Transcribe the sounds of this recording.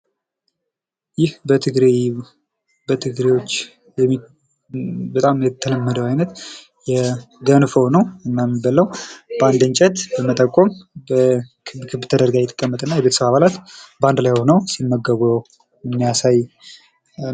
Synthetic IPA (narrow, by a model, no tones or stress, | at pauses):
jɪhbət̪ʰɨɡɾe | bət̪ʰɨɡɾewot͡ʃː | jɛ | bət̪ʼamjɛt̪ʰələmːəd̪əwajnət̪ | jɛɡənfəwnəwɨnːamːibəlːəwband̪ɨnt͡ʃʼɛt̪bəmət̪ʼəkʼo̞mbə | kʰɨbt̪ʰəd̪əɾɡajɛt̪ʰʼːə̥kʼːəmːət̪ʼɨnːajɛβet̪ʰəsəβaβalat̪band̪lajhonəwsimːəɡəɡəw | ɨmːijasaj